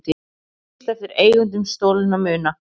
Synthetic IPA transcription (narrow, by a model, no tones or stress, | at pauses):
t̪i | t̪ɛft̪ɪɾeːjɣʏnt̪ʏmst̪oːwlɪnamʏːna